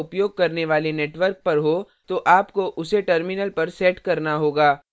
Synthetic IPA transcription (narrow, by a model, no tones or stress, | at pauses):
ʊpjoːɡ̚kɐɾneʋaːleneːʈʋəɾk̚pɐɾɦoː | t̪oʔaːpkoʔʊseʈɐɾmɪnəlpɐɾsɛːʈkɐɾnaɦoːɡaː